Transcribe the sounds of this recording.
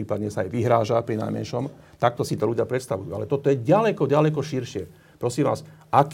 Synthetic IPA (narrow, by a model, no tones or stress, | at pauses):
iːpad̪ɲɛsaajʋiɦɾaːʒapɾina̰jmɛ̰nʃɔm | t̪ak̚t̪ɔsit̪ɔluɟɪapɾɛt̪st̪aʋujṵːa̰lɛt̪ɔt̪ɔjɛɟalɛkɔɟalɛkɔʃiɾʃɪɛ | pɾɔsiːmʋaːsʔak